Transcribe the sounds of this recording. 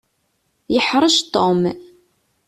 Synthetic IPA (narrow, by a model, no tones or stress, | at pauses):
jəħɾˤəʃt̪ˤːom